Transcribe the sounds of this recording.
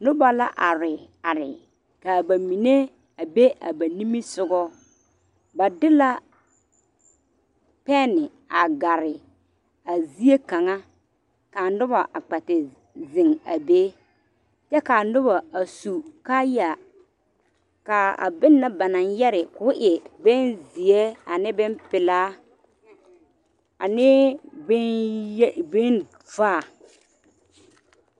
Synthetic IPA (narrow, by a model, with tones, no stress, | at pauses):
nʊ˦ba˨la˦ʔa˨ɾɪ˨ | a˨ɾɪ˨ | ka˨ba˨mi˨ne˦ | a˨be˦ʔa̰˨ba˨ni˦mi˦sʊ˦ɡɔ˦ | ba˨dɪ˦la˦ | pɛ˦nɪ˨ | a˨ɡa˨ɾɪ˨ | a˨zi˦e˦ka˨ŋa˦ | ka˨nʊ˦ba˨ʔa˨k͡pa˨tɪ˨ | zɪ˨ŋa˨beː˦ | t͡ʃɛ˦ka˨nʊ˦βa˨a˨su˨ka˦ja˨ | ka˨a̰˨bɪ˦nːa˦ba˨na˨njɛ˦ɾɪ˨kʊ˦ʔɪ˨bɪ˦nzi˨e˦a˨nɪ˦bɪ˦mpɪ˨laː˦ | a˨nɪ˦b | bɪ˦n | vaː˦˨